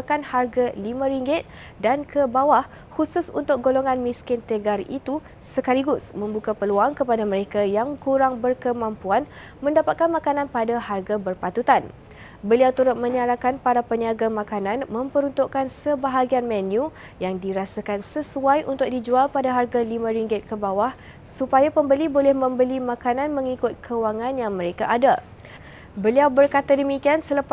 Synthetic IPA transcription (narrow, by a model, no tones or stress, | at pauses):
akanharɡalimãɾiŋɡɪt̪̚ | dankʰəbawah | husʊsunt̪ʊk̚ɡoloŋanmĩskɪnt̪eɡarḭt̪u | səkaliɡʊsmə̃mbukapəluaŋkəpadaməɾekajaŋkuɾaŋbərkəmãmpuan | mə̃ndapat̪̚kanmãkanãnpadaharɡabərpat̪ut̪an | bəliawt̪uɾʊt̪̚mə̃ɲaɾakanpaɾapəɲiaɡamãkananmə̃mpəɾunt̪uʔkansəbaɦaɡianmɛ̃nju | jaŋdiɾasakansəsuajʔṵnt̪ʊk̚did͡ʒualpadaɦarɡalimãɾiŋɡɪt̪̚kəbawah | supajapəmbəlibolɛhmə̃mbəlimãkanãnmə̃ŋikʊt̪̚kʰəwaŋãnjaŋməɾekaʔada | bəliawbərkat̪adəmikiansələp